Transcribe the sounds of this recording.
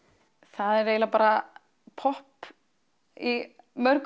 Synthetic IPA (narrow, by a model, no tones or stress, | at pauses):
θaðɛɾveːjlapaːɾa | pʰɔhp | i | mœɾk